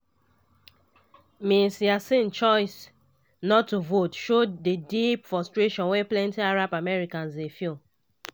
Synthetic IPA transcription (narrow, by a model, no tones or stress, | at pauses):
misiasĩnt͡ʃɔɪs | nɔtːuvotʃodedipfɔstɹeʃɔ̃nweplɛ̃ntiaɹabamɛɹikãnsdefil